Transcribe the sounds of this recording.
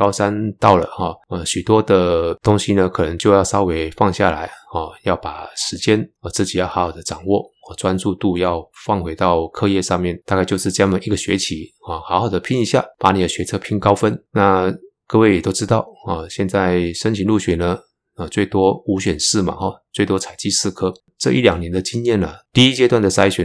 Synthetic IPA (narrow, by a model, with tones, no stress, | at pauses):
kɑ˥ʊʂa˥nt̪ɑ˥˩ʊlə̰˩xɔ˥˩ə˧˩ɕy˨˩t̪wɔ˥d̪ə˨t̪ʊ˥ŋɕi˨nə˧kʰɤ˨˩nə˧˥ŋt͡ɕjo˥˧ʊjɑ˥˩ʊsɑ˥ʊwe˧˥ɪfɑ˥˧ŋɕja̰˥˩la˧˥ɪɔ˥˧˩jɑ˥˩ʊpa˨˩ʂɻ̩˧˥t͡ɕjɛ˥nə˧˩t͡sɹ̩˥˩t͡ɕi˨˩jɑ˥˩xɑ˧˥xɑ˨˩ʊd̪ə˦ʈ͡ʂɑ˨˩ŋwɔ˥˩ | ɔ˧˩t͡swa˥nt͡su˥˧t̪u˥˧jɑ˥˧ʊfɑ˥˩ŋxwe˧˥ɪt̪ɑ˥˧ʊkʰɤ˥˧jɛ˥˧ʂɑ˥˧ŋmjɛ˥˩nt̪a˥˧ka˥˧ɪt͡ɕjo˥˧ʊʂɻ̩˥˧˥jɑ˥˩ŋd̪ə˨˩ʔi˧˥˩ɡə˩ɕɥɛ˧˥t͡ɕʰi˧˥˦ə˥˩xɑ˧˥xɑ˨˩ʊd̪ə˦pʰi˥ŋi˧˥ɕja̰˥˩pa˧˥ni˨˩d̪ə˦ɕɥɛ˧˥t͡sʰɤ˥˧pʰi˥ŋkɑ˥ʊfə˥nna˥˧ | kɤ˥˧we˥˩jɛ˨˩t̪o˥ʊʈ͡ʂɻ̩˥t̪ɑ˥˩ʊə˧˩ɕjɛ˥˧nt͡sa˥˩ɪʂə˥nt͡ɕʰi˧˥nlu˥˩ɕɥɛ˨˩nə˧ | ə˧˩t͡swe˥˩ɪt̪wɔ˥u˧˥ɕɥɛ˨˩nʂɻ̩˥˩ma̰˨˩xɔ˥˩t͡swe˥˩ɪt̪wɔ˥t͡sʰa˨˩ɪt͡ɕi˥˧sɹ̩˥˩kʰɤ˥ | ʈ͡ʂɤ˥˧ʔi˥˩ljɑ˨˩ŋnjɛ˧˥nd̪ə˧t͡ɕi˥njɛ˥˩nə˩t̪i˥˧i˦˥t͡ɕjɛ˥t̪wa˥˩nd̪ə˩t͡sa˥ɪɕɥɛ˨˩n